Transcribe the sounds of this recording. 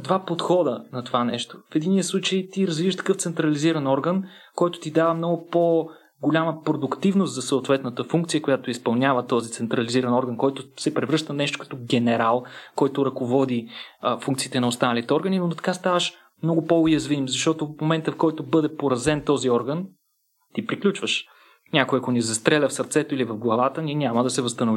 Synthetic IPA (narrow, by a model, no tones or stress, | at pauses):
d̪vapot̪xɔd̪ənɐt̪ovanɛʃt̪o̥fɛd̪iniəslˠut͡ʃəjt̪iɾɐzvivəʃt̪ɐ̥kɤft̪sɛnt̪ɾɐliziɾɐnɔɾɡən | kɔjt̪ʊ̥t̪id̪avəmnɔɡʊpo | ɡolʲaməpɾod̪ʊkt̪ivnost̪zɐsɐot̪vɛt̪nət̪əfuŋkt̪sijəkʊjat̪oispɐlˠnʲavət̪ɔzit̪sɛnt̪ɾɐliziɾɐnɔɾɡənkɔjt̪osɛpɾɛvɾɤʃt̪ənɛʃt̪ʊ̥kɐ̥t̪ɔɡɛnɛɾalˠkɔjt̪ʊɾɐkovɔd̪ifuŋkt̪siːt̪ɛnɐost̪anəlit̪ɛɔɾɡəninot̪ɐ̥kast̪avəʃ | mnɔɡʊpoʊjɐzvimzɐʃt̪ɔt̪ofmomɛnt̪əfkɔjt̪obɤd̪ɛpoɾɐzɛnt̪ɔziɔɾɡən | t̪ipɾiklʲut͡ʃvəʃ | nʲakojɐkonizɐst̪ɾɛlʲəfsɐɾt̪sɛt̪oilivɐvɡlˠɐvat̪ənʲinʲaməd̪ɐsɛvɐst̪ɐnʊvi